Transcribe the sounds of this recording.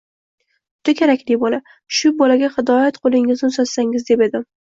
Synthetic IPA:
ʊt̪ʰakʲʰeɾakʲlɪbɒla | ʃʊbɒlaɡʲahɪd̪ɒjat̪qʰolˠɪŋɪznɪsoz̥saŋɪzd̪e̞pe̞d̪ɪ

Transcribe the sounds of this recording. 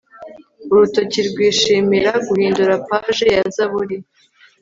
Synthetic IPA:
uɾuto̞ciɾɡwiːʃiːmiɾaɡuhiːnduɾapaːʒe̞jazaβuɾi

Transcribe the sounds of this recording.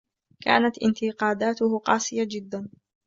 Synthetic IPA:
ka̰ːnat̪ʔɪ̰nt̪ɪqɑːd̪aːt̪ʊhʊqɑːsˤɨjad͡ʒɪd̪ːan

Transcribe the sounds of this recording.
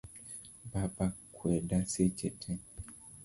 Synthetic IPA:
babakwɛdaset͡ʃɛtʰɛ

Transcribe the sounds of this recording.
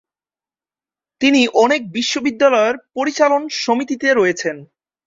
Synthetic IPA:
t̪iniʔɔnek̚biʃːobid̪ːalɔeɾpoɾit͡ɕalonʃomit̪it̪eɾoet͡ɕʰen

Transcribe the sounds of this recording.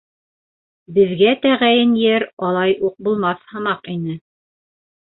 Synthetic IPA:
bɘ̆ðɡæt̪æʁæjɘnjɘɾɑlˠɑjʔuq̚bulˠmɑθhɤ̆mɑqinɘ

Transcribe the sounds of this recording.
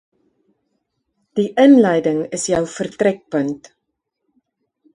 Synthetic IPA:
d̥iʔənlɛjdəŋəsjœwfərtrɛk̚pənt

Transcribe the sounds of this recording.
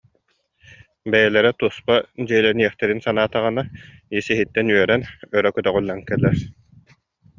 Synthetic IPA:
bɛjɛlɛɾɛt̪uspad͡ʑiilɛɾniɛχt̪ɛɾinsanaːt̪aʁɯnaisiɦit̪ːɛnyœɾɛnœɾœkœt̪œʁulːankɛlːɛɾ

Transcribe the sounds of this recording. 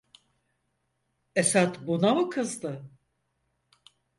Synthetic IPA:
esat̪bunavɯkʰɯzd̪ɯ

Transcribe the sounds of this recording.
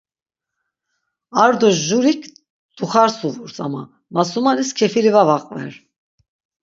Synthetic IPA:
aɾd̪ɔʒuɾikʰ | d̪̥uχaɾsuvuɾsʼama̰ | masumaniskʰɛfiɾivavaqʼvɛ̰ɾ

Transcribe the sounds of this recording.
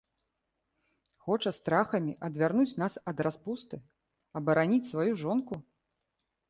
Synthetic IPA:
xɔt͡ʂɐst̪ɾaxɐmʲiʔɐd̪vʲarnut͡sʲnasɐd̪raspust̪ɨ | ɐbɐɾanʲit͡sʲsvajuʐɔnku

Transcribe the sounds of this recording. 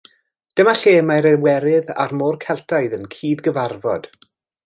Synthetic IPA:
d̥əmaɬeːmaɾɛwɛɾɪða̰rmoːrkʰɛlˠtʰajðənkʰiːdɡəvarvɔ̰d̥

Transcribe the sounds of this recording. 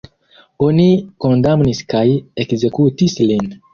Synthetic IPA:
oniko̞ndamniskajekze̞kutislin

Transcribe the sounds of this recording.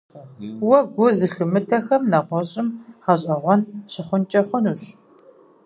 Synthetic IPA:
wɐɡʷʊzɨɬɨmɨtʰɐxɐmnɐʁʷɔɕʼɪmʁɐɕʼɐʁʷɔnɕɪχʷʊnt͡ʃʼɐχʷʊnuːɕ

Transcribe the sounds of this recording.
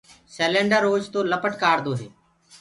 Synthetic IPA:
seːlẽːɳɖəɾːoːd͡ʒt̪õːləpəʈkaːɾd̪oːɦeː

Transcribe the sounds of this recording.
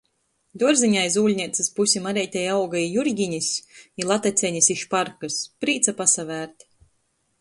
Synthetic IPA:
d̪uɔɾziɲʲajzuːlʲnʲiɛt̪sɨspusʲimaɾɛjt̪ʲɛjawɡaijuɾɡʲiɲisʲilˠat̪at̪sʲɛɲisiʃpaɾkɨspɾiːt̪sapasavæːɾt̪

